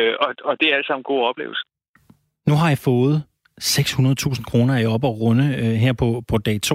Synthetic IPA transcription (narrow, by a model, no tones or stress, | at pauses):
ɒɒd̥e̝æɐæləsɑ̈m̰n̩ɡ̥o̝̰ːɒ̽b̥le̝ːʊl̩sə̥ | nuɦɑ̈jɑ̈fɔ̽ːð̞̩ˠ | seɡ̥shunɐð̞̩ˠt͡sʰṵːsn̩kʰʁo̝ːnɐiɒ̽b̥ɒʁɔ̽nəøɦeɐ̰pʰɒ̽pʰɒ̽d̥ɛɪt͡sʰo̝̰